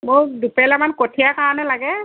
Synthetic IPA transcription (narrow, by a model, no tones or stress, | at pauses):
mʊdupɛlamankotʰijakaɹɔnɛlaɡɛ